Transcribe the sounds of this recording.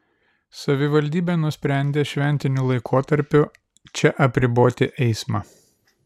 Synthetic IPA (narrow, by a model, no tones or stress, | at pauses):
sɐʋʲɪʋɐlʲd̪ʲiːbʲeːnʊsʲpʲɾʲɛˑnʲd̪ʲeːʃʲʋʲɛnʲt̪ʲɪnʲuːlˠɐɪkʰoːt̪ɐɾʲpʲʊ | t͡ʃʲɛʔɐpʲɾʲɪboːt̪ʲɪʔɛɪsmɑː